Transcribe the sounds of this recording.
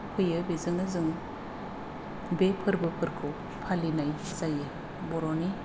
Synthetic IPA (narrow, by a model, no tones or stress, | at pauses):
pʰɯjɯbizɯŋɯzɯŋ | bepʰɯɾbɯpʰɯɾkʰɯw | pʰalinaj | zajɯ | bɔɾɔni